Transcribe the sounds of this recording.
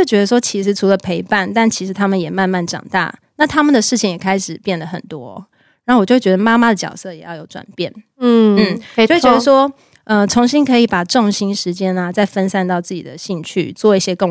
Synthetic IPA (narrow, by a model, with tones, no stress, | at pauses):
jt͡ɕɥɛ˧˥d̪ə˧ʂ̬wɔ˥t͡ɕʰi˧˥ʂɻ̩˧˥ʈ͡ʂʰu˧˥lə˧pʰe˧˥ɪpa˥˩nt̪a˥˩nt͡ɕʰi˧˥ʂɻ̩˧˥t̪ʰa˥mə˨njɛ˨˩ma˥˧nma˥˩nʈ͡ʂɑ̰˨˩ŋt̪a̰˥˩na˥˩t̪ʰa˥mə˨nd̪ə˩ʂɻ̩˥˩t͡ɕʰi˨˩ŋjɛ˨˩kʰa˥ɪʂɻ̩˨˩pjɛ˥˩nd̪ə˩xə˨˩nt̪wɔ̰˦ | ɻa˨˩˥o˥˩wjo˥˩t͡ɕɥɛ˧˥ə˧ma˥ma˧d̪ə˨˩t͡ɕjɑ̰˨˩ʊsɤ˥˩˨jɛ̰˨˩jɑ˥˩ʊjo˧˥ʊʈ͡ʂwa̰˨˩npjɛ˥˩n̩˥n̩˥˩˥t͡ɕɛ˥d̪ʂwɔ˥ | ə˧t͡sʰo˧˥ŋɕi˥ŋkʰɤ˧˥i˨˩pa˨˩ʈ͡ʂʊ˥˨˩ŋɕi˥nʂɻ̩˧˥t͡ɕjɛ˦˥na˨t͡sa˥˩ɪfə˦nsa˥˧nt̪ɑ˥˧ʊt͡sɹ̩˥˩t͡ɕḭ˨˩d̪ə˩ɕi˥˧ŋt͡ɕʰy̰˥˩t͡swɔ˥˧i˥˩ɕjɛ˦˥kə˥˧